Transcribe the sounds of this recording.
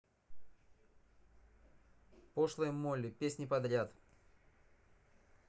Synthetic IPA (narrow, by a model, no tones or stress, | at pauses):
poʂlˠəjmolʲɪpʲesʲnʲɪpɐd̪ɾʲat̪